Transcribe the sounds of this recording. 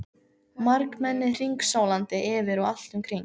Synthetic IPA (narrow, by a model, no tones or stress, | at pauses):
maɾkmɛnːɪr̥iŋksaːwlant̪ɪʔɪːvɪɾawal̥t̪ʏmkʰɾiŋk